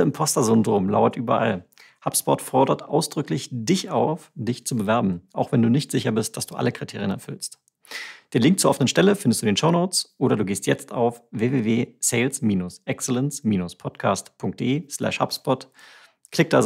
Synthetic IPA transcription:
ɪmpʰɔstɐzʏndʁoːmla̰ʊɐtʔyːbɐʔa̰l | hapspɔtfɔɐdɐtʔa̰ʊsd̥ʁʏklɪçd̥ɪçaʊfd̥ɪçt͡subəvɛɐbm̩ʔaʊxv̥ɛnduːnɪçtz̥ɪçɐbɪst̚d̥asd̥uːʔa̰ləkʁ̥itʰeːʁijənɛɐfʏlst | d̥eːnlɪŋk̚tt͡suːɐɔfənənʃtɛləfɪndəstd̥uːndeːnʃoʊnoʊt͡sʔoːɾɐduːɡeːstʰjɛ̰t͡sta̰ʊfveːveːveːseɪlsmiːnʊsʔɛksɛlɛnsmiːnʊspʰɔtkʰaːstpʰʊŋk̚d̥ḛːʔeːslɛ̰ʃha̰pspɔt | kʰlɪk̚td̥az

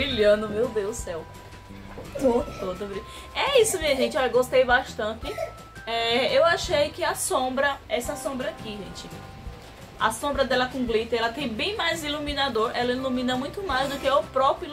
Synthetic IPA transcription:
ilɐ̃nʊmewd̪ewsɛw | ot̪od̪ɐbɾi | ɛisʊmĩɐʒẽnt͡ʃ̪ɪɔʎɐɡoʃt̪ejbaʃt̪ɐ̃nt̪ɪ | ɛewaʃejkɪasõbɾɐɛsɐsõbɾɐakiʒḛ̃t͡ʃɪ | asõbɾɐd̪ɛlɐkõɡlit̪ɪɛlɐt̪ẽj̃bẽj̃majzilumĩnad̪oɾɛlɐilumĩnɐmũj̃t̪ʊmajzd̪ʊkɪʊpɾɔpɾi

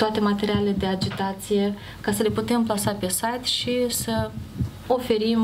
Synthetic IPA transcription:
t̪oat̪e̞mat̪e̞ɾialeled̪e̞ad͡ʒit̪at̪sije̞ | kasəle̞put̪e̞mplasape̞sajt̪ʃisə | o̞fe̞ɾim

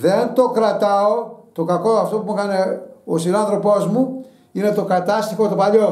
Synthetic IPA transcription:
ðent̪o̞kɾɐt̪ɐot̪o̞kɐkoɐft̪o̞pumukɐneosinɐnθɾo̞po̞zmu | ine̞t̪o̞kɐt̪ɐst̪ixot̪o̞pɐʎo̞

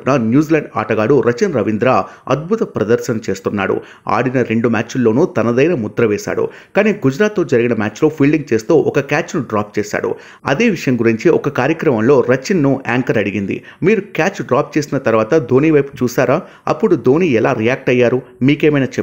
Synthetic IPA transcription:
nɐnjuːzlɐɳɖa̰ːʈɐɡaːɽuɾɐt͡ʃinɾɐʋind̪ɾaːɐ̰d̪̚bʱut̪ɐpɾɐd̪ɐɾʃɐnɐt͡ʃe̞ːst̪unːa̰ːɽṵ | a̰ːɽinɐɾe̞ɳɖumʲaːt͡ʃulːo̞ːnut̪ɐnɐd̪ɐjnɐmud̪ɾɐʋɛːʃa̰ːɽṵ | kaːniːɡud͡ʒɾaːt̪ːo̞ːd͡ʒɐɾiɡinɐmaːt͡ʃlo̞ːpʰiːɭɖiŋɡ̚t͡ʃe̞ːst̪uːʔɔkɐkaːt͡ʃnuɖɾaːp̚t͡ʃeːʃa̰ːɽṵ | ɐ̰d̪e̞ːʋiʂɐjɐŋɡuɾiɲt͡ʃiɔkɐkaːɾjɐkɾɐmɐmlo̞ːɾɐt͡ʃinːua̰ːŋkɐɾɐɽiɡind̪ḭ | miːɾukaːt͡ʃɖɾaːp̚t͡ʃe̞ːsinɐt̪ɐɾʋaːt̪ɐd̪ʱo̞ːniːʋɐjpu̥t͡ʃuːsaːɾaː | ɐ̰pːuɽud̪ʱo̞ːniːɛlaːɾijaːk̚ʈɐjːaːɾumiːkeːmɐjnaːt͡ʃe

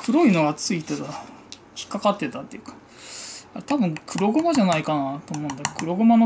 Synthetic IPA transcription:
kʰɯ̟ɾo̞ino̞ɡat͡sɨit̪et̪a | kʲi̥kːakat̪ːe̞t̪at̪ːeɯ̟kḁ | aet̪abɯ̟̃ŋkʰɯ̟ɾo̞ɡo̞maʑanaikanat̪oːmõːnd̪akkɯ̟ɾo̞ɡo̞mano

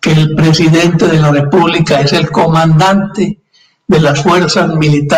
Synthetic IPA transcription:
keːlpɾe̞siðe̞nt̪e̞ðelare̞puβlikae̞se̞lko̞mãnd̪ant̪e | ðe̞lasfwe̞ɾsazmilit̪a

